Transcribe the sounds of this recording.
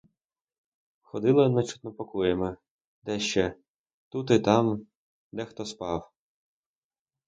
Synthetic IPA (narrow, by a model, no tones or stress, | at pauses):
xɔd̪ɪlˠɐnɐt͡ʃu̥t̪nɔpɔkɔjɛmɐ | d̪ɛʃt͡ʃɛ | t̪ut̪ɪt̪ɑm | d̪ɛxt̪ɔspɑw